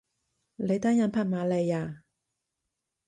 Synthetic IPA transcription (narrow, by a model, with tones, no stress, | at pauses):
le˨˦t̪a˥ja˧npʰa˥˧˨maː˨˧˦lɛ˧ja˨˧˨